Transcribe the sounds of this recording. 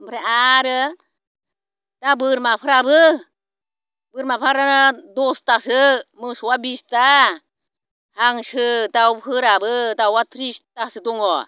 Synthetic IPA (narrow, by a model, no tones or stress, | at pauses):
mpʰɾɛʔaɾɯ | tabɯɾmapʰɯɾabɯ | bɯɾmapʰaɾadɔstasɯmɯswabista | haŋsɯtawpʰɯɾabɯtawat̪ɾistasɯt̪uŋɔ